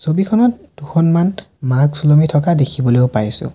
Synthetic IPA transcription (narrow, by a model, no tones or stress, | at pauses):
sobikʰɔnɔt̚duxɔnman | maksulɔmitʰɔkadekʰibɔleʊpajsʊ̰̃